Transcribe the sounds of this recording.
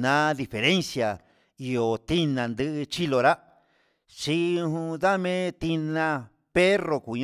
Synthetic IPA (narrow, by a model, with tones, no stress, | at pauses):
nã˧˦ði˧fe˨ɾe˦nsja˨ | i˧o˨t̪i˦nã˨nd̪ɨ˧ʔɨ˧t͡ʃi˦lo˧ɾa˦ | ʃi˧ɦũ˧ða˦mẽ˦t̪i˧nã˧ | pe˦ro˧ku˨ɲ